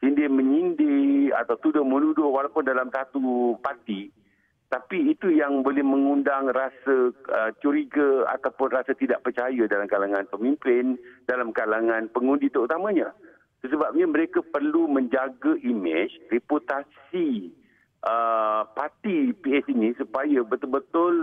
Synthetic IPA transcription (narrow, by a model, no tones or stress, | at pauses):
sindɪmə̃ɲindɪa̰t̪awt̪udʊhmənudʊhwalawpʊndalamsat̪upat̪i | t̪apiːt̪ujaŋbolɛhmə̃ŋundaŋrasəət͡ʃuɾiɡəa̰t̪awpʊnrasat̪idaʔpərt͡ʃajədalamkalaŋãnpəmĩmpɪndalamkalaŋãnpəŋũndit̪əut̪amãɲã | səs̬əbap̚ɲaməɾekapərlumə̃ɲd͡ʒaɡəʔimɪt͡ʃreput̪as | i | ʔəpat̪ipiɛsinĩsupajəbət̪ʊlbət̪ʊl